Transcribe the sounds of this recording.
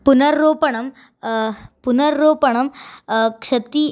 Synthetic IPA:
punɐɾːoːpɐɳ̃ɐm | punɐɾːoːpɐɳ̃ɐmkʂɐt̪i

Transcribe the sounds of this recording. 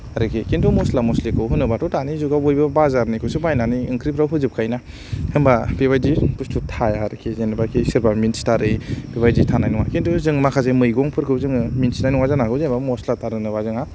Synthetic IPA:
aɾɯkʰikintumɔslamɔslikʰɯwɦunːɯbatɔtanizuɡabojbabazaɾnikʰɯsibajnaniɯŋkɾipʰɾawɦuzip̚kʰajna | hɯmbabebajdipustʰutʰajaɾɯkʰizenbakʰisiɾbaminstaɾɯjbebajditʰanajnuŋa̰kintʰuzɯŋmakʰazemɯjɡɔŋpʰɯɾkʰɯwzɯŋminsnajnuŋazanakɯzenbamɔslataɾɯnɯbazɯŋa

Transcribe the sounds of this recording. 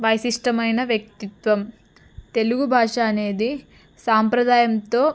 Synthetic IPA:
ʋɐjsiʂʈɐmɐjnɐʋjɐk̚t̪it̪ʋɐm | t̪e̞luɡubʱaːʂaːne̞ːd̪i | saːmpɾɐd̪aːjɐmt̪o̞ː

